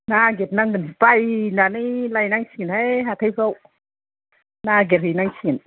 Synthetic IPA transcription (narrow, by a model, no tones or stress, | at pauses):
naɡet̚naŋɡɯnspajnanilajnaŋsinhajɦat̪ʰakaw | naɡeɾhinaŋsin